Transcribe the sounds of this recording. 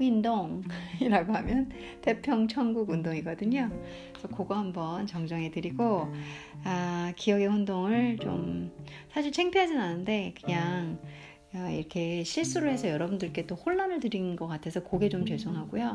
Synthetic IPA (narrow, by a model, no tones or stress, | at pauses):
indoŋiɾaɡoɦamjʌn | te̞pʰjʌŋt͡ɕʰʌŋɡuɡundoŋiɡʌdɯɲo | sʰʌkoɡʌhambʌnt͡ɕʌŋd͡ʑʌŋɦe̞dɯɾiɡo | akijʌɡe̞ɸundoŋɯɭt͡ɕo̰m | sʰaɕʰiɭt͡ɕʰe̞ŋpʰiɦad͡ʑinanɯnde̞kɯɲaŋ | ʌḭɾʌkʰe̞ɕʰiɭs͈uɾoɦe̞sʰʌjʌɾʌbundɯɭk͈e̞t͈ohoɭːanɯɭtɯɾinɡʌk͈atʰe̞sʰʌkoɡe̞t͡ɕomt͡ɕʌɭs͈oŋɦaɡujo